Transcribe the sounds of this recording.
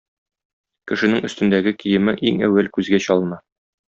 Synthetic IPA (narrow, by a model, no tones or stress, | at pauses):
kɘ̆ʃɘ̆nɘŋɵ̆st̪ɘ̆nd̪æɡɘkijɘ̆mɘʔiŋæ̰wælkʉzɡæɕɒlˠnɑ